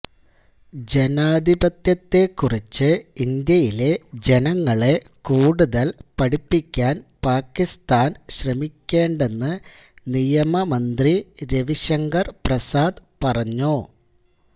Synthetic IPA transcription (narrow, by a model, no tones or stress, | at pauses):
d͡ʑe̞naːd̪ʱibɐt̪jɐt̪ːe̞kːurit͡ɕːɨind̪jɐjile̞d͡ʑe̞nɐŋːɐɭe̞ | kuːɽuðɐlpɐɽipːikʲːaːnpaːkːist̪aːnɕrɐmikʲːe̞ːɳɖe̞nːɨ | nijɐmɐmɐnd̪riɾe̞ʋiɕɐŋɡɐrprɐsaːd̪pɐrɐɲːu